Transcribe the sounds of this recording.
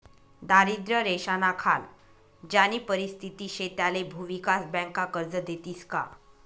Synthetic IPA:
d̪aɾid̪ɾəɾeɕanakʰal | d͡ʑaniːpəɾist̪ʰit̪iːɕet̪jalebʱuʋikasbɛ̃ŋkakəɾd͡zəd̪et̪iːska̰

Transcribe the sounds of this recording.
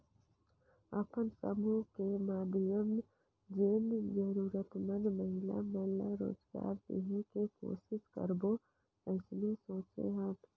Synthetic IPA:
ɐpənsə̰mukemaːbɪjəm | d͡ʒeːnd͡ʒəɾuːɾət̪mənməɦɪla̰mɐɦɪlaɾo̰ːd͡ʒɡa̰ːɾd̪ḭɦekeko̰ːsɪskə̰ɾbo | ɛsnesoːt͡ʃḛɦaː

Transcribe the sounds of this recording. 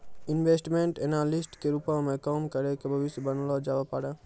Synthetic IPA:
ɪnʋeːsʈmẽɳʈeːnalɪsʈkeɾupãmẽkɔːmkəɾekebʱəʋɪsbənlod͡ʒaːʋapaːɽeː

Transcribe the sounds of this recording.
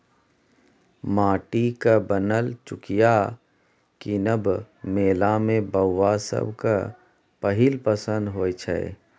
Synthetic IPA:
maːʈikabənəlt͡ʃʊkija | kinəb | meːlamẽbəwːasə̰bka | pəɦilpəsə̃nd̪ɦoːjt͡ʃʰɛ̰

